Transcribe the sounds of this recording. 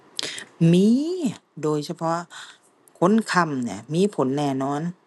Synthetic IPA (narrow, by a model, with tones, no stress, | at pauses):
miː˧˥doː˧˩jsʰa˧pʰɔ˧ | kʰo˧˥nkʰa˧˩mni˧˩miː˧˥˨pʰo˨˩˦nːɛː˧˩nɔː˧˥n